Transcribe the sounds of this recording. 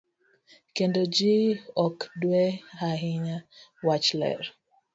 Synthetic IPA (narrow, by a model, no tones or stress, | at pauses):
kendod͡ʒiɔkdwehaɦɪɲawat͡ʃlɛ̰ɾ